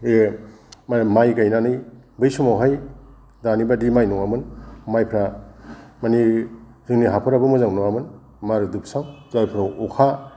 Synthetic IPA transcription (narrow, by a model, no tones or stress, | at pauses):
e | mmajkajnanɯjbɯjsumawɦaj | danibadimajnɔŋamɯnmajpʰɾa | mani | zɯŋniɦapʰɯɾabɯmɯzaŋnɔŋamɯn | maɾɯdup̚saŋzajpʰɾawukʰa